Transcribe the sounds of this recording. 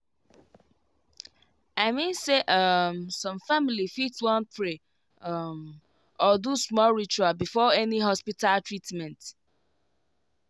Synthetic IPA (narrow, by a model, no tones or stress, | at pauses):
aɪmĩnseʔʌmsɔ̃mfamilifitwɔ̃npɹe | ʌm | ɔdusmɔlɹit͡ʃualbifɔɛniɦɔspitaltɹitmɛ̃nt